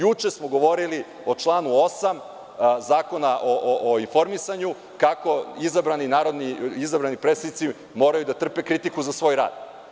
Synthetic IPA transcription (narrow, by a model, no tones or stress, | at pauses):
jut͡ʃe̞smo̞ɡo̞ʋo̞ɾili | o̞t͡ʂlˠaːnuosam | zaːko̞naʔoʔoʔoinfo̞ɾmisaɲu | kako̞izabɾaninaːɾo̞d̪niizabɾanipɾet̪sad̪it̪i | mo̞ːɾajud̪at̪r̩pe̞kɾit̪ikuzasʋo̞ːjɾa̰ːd̪̥